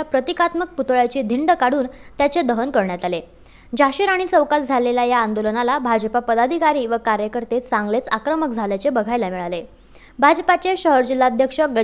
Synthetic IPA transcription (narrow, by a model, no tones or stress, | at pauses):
apɾət̪ikat̪mək̚put̪ɭjat͡ɕiːd̪ʱiɳɖəkaɽuːnt̪jat͡sed̪əɦənkəɾɳjat̪ale | d͡ʑaɕiɾaɽ̃it͡səwkald͡zʱaleljajaːnd̪olənalabʱad͡ʑəpapəd̪ad̪ʱikaɾiːʋəkaɾjəkəɾt̪et͡sãŋɡlet͡sakɾəmək̚d͡zʱaljat͡sebəɡʱajlamiɭale | bʱad͡ʑəpat͡seɕəɦəɾd͡ʑilːaəd̪ʱjəkʂəɡə